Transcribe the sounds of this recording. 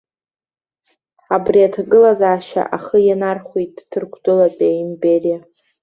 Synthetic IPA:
abriatʰaɡɨlazaːʃa̰ʔaχəjanarχʷit̚ʼːʰɨrkʷʰdʼɨlapʲʼaimberija

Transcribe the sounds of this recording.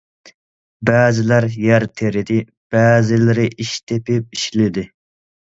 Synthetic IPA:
bɛːzɪlæɾjæɾt̪ʰeɾɪd̪ɪ | b̥æːzɪlɪɾɪʔiʃt̪ʰepʰɪp̚iʃlɪd̪ɪ

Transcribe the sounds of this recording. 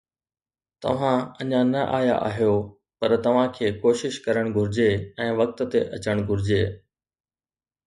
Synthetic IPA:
t̪ɐ̰ʋ̤ãɐɲãnɐʔaːja̰ʔa̰ːɦijo | pɐɾt̪ɐʋ̤ãkʰeːkoːʃɪʃkɐɾəɽ̃ɡʱʊɾɪd͡ʑeɛ̃ːʋɐk̚t̪̆t̪ḛʔɐt͡ɕəɽ̃ɡʱʊɾɪd͡ʑeː

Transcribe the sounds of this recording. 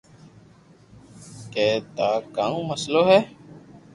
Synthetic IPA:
kɛ̃ːt̪aːkaːnũːməsloːɦɛː

